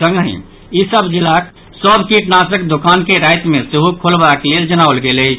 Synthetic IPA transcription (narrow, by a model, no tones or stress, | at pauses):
sə̃ŋɡɦḭ̃ | isəbd͡ʒilak̚ | səbkiʈnasəkd̪ukankeɾajt̪mesiɦukʰolbakeleld͡ʒənaolɡeləjt͡ʃʰ